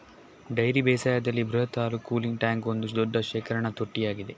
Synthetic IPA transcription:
ɖɐjɾibeːsaːjɐd̪ɐlːibɾɐɦɐt̪aːlukuːliŋɡʈaːŋɡo̞nd̪ud̪ɔɖːɐʃeːkɐɾɐɳɐt̪oʈːijaːɡid̪e̞

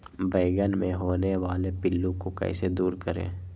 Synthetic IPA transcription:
bəɪɡənmẽɦoːneʋaːlepɪlːũkokɛ̰ːsed̪uːɾkəɾḛ̃ː

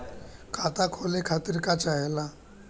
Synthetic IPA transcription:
kʰaːt̪akʰoːlekʰaːt̪ɪɾkat͡ʃaɦela

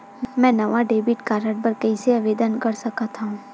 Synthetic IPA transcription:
mɛ̃ːnɐʋaɖeːbiʈkaːɾəɽbɐɾkɐiseɐʋeːd̪ənkɐɾsɐkat̪ʰaɦũː

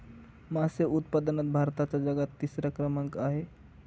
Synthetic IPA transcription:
maseut̪̚pad̪ənət̪̚bʱaɾt̪at͡sad͡zəɡat̪isɾəkɾəməŋkaɦe

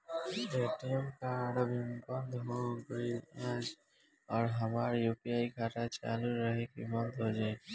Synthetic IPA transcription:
eʈiəmkaɖʋimbənd̪ɦõɡɾilad͡ʒ | ɔːɾɦəmaɾjupiaːikʰaʈat͡ʃa̰ːluɾəɦekḭmənt̪ɦod͡ʒae

